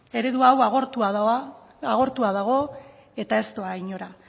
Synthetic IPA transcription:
e̞ɾe̞ðuawaɣoɾt̪uað | aɣ̞o̞ɾt̪uaðaɣ̞o̞ | e̞t̪ae̞st̪o̞aiɲo̞ɾa

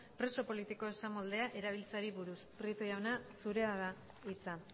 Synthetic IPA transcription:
pɾe̞so̞po̞lit̪iko̞esamold̪e̞aʔe̞ɾaβ̞ilt͡saɾiβuɾuspɾit̪ojawnasuɾe̞aða | it͡sa

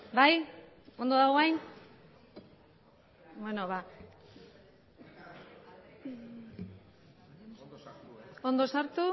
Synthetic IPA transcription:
baj | o̞nd̪oðaɣoajn | bwenoβa | o̞nd̪o̞saɾt̪u

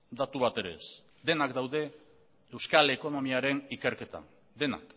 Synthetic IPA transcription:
d̪at̪uβat̪e̞ɾe̞̰s | d̪e̞nakd̪awðe̞ | ewskaleko̞no̞miaɾe̞nike̞ɾke̞t̪a̰ | d̪e̞na̰k

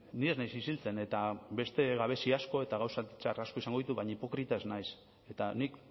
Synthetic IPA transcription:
nie̞znajsisilt͡se̞ne̞t̪aβe̞st̪e̞ɣaβe̞siasko̞e̞t̪aɣawsat͡ʃa̰raskoisaŋɡo̞ðit̪uβaɲaipo̞kɾit̪ae̞znajs | e̞t̪anik

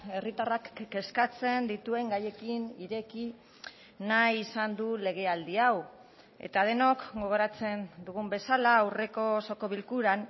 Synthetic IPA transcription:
e̞rit̪arakːe̞skat͡se̞nd̪it̪ue̞ŋɡaje̞kiniɾe̞ki | najːsand̪ule̞ɣ̞e̞ald̪iaw | e̞̰t̪að̞e̞no̞kɡo̞ɣ̞o̞ɾat͡se̞nd̪uɣ̞umbe̞salaːwre̞ko̞so̞ko̞βilkuɾan

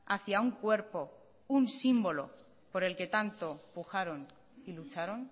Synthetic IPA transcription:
aθjauŋkwe̞ɾpo̞ | unsimbo̞lo̞̰ | po̞ɾe̞lke̞t̪ant̪o̞puxaɾo̞n | ilut͡ʃaɾo̞n

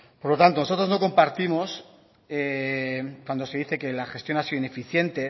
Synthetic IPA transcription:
po̞ɾlo̞t̪ant̪o̞no̞so̞t̪ɾozno̞ko̞mpaɾt̪imo̞s | e | kwand̪ose̞ðiθe̞ke̞laxe̞st̪jonasiðoine̞fiθje̞nt̪e̞

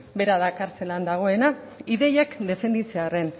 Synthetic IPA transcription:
be̞ɾaðakaɾt͡se̞land̪aɣ̞o̞e̞na | iðe̞jekd̪e̞fe̞nd̪it͡seare̞n

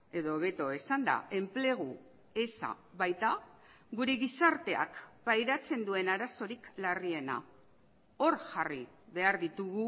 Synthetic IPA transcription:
e̞ðo̞βe̞t̪o̞esand̪a̰e̞mple̞ɣ̞u | e̞sa̰βajt̪a | ɡuɾeɣisaɾt̪e̞a̰kpajɾat͡se̞nd̪ue̞naɾaso̞ɾiklarie̞na̰ | o̞ɾxari | βe̞aɾðit̪uɣu

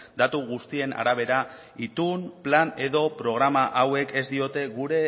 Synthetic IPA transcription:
d̪at̪uɣust̪ie̞na̰ɾaβ̞e̞ɾa | it̪unplane̞ðo̞pɾo̞ɣ̞ɾamaʔawe̞ke̞zd̪io̞t̪e̞ɣuɾe̞

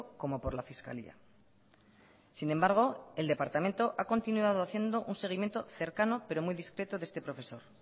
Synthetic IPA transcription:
ko̞mo̞po̞ɾlafiska̰lḭa̰ | sinẽ̞mbaɾɣ̞o̞e̞ld̪e̞paɾt̪amẽ̞nt̪o̞ʔako̞nt̪inuað̞oaθje̞nd̪o̞ʔunse̞ɣ̞imjent̪o̞θe̞ɾkano̞pe̞ɾo̞mujðiskɾe̞t̪oðe̞st̪e̞pɾo̞fe̞so̞ɾ

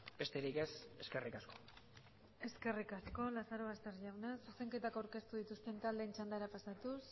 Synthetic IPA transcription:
b̥e̞st̪e̞ɾike̞se̞ske̞rikasko̞̥ | e̞ske̞rikasko̞lasaɾo̞βast̪e̞ɾʝawnasuse̞ŋke̞t̪akawɾke̞st̪uðit̪ust̪e̞nt̪ald̪ent͡ʃand̪aɾapasat̪us

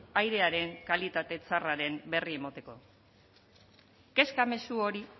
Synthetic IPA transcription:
ajɾe̞aɾe̞ŋkalit̪at̪e̞t͡saraɾe̞mbe̞rie̞mot̪e̞ko̞ | ke̞skame̞suo̞ɾi

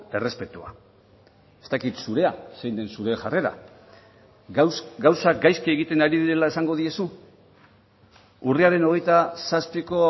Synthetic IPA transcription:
e̞re̞spe̞t̪ua̰ | e̞st̪akit̪suɾe̞asejnd̪e̞nsuɾe̞ʝare̞ɾa̰ | ɡawsakɡajskie̞ɣ̞it̪e̞naɾiðiɾe̞laesaŋɡo̞ðie̞su | uriaɾe̞no̞ɣ̞e̞jt̪asaspiko̞

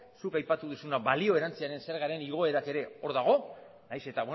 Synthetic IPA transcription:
sukajpat̪uðusunaβalio̞e̞ɾant͡siaɾe̞nse̞ɾɣ̞aɾe̞niɣ̞o̞e̞ɾake̞ɾe̞o̞ɾðaɣ̞o̞ | najse̞t̪aβw

